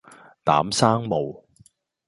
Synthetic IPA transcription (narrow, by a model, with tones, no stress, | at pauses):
t̪a̰ː˨˥msaː˥ŋmo˨w